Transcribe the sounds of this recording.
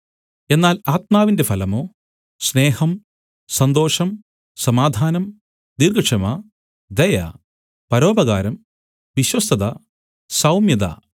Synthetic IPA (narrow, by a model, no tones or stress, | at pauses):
e̞nːaːlaːt̪̚maːʋinde̞fɐlɐmoː | sneːhɐm | sɐnd̪o̞ːʂɐm | sɐmaːd̪ʱaːnɐm | nirɡɐʂɐmɐ | d̪ɐjɐ̰ | pɐɾo̞ːbɐɣaːɾɐm | ʋiɕwɐst̪ɐðɐ | sɐwmjɐd̪ɐ̰